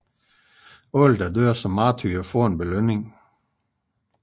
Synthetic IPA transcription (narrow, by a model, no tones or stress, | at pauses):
ɔld̥ɐdøɐ̰sɒ̽mːɑːt͡sʰyːɐfɔɐenb̥eløneŋ